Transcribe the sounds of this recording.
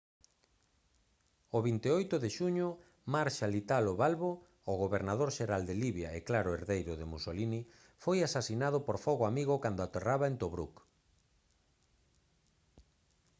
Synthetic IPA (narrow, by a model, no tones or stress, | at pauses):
oβint̪eojt̪ʊðeʃuɲʊ | maɾʃalit̪aloβalβoː | ɣoβeɾnaðoɾʃeɾald̪eliβjaeklaɾʊeɾðejɾʊðemusolini | fojasasinað̞ʊpoɾfɔɣoamiɣʊkand̪ʊat̪eraβaent̪oβɾṵk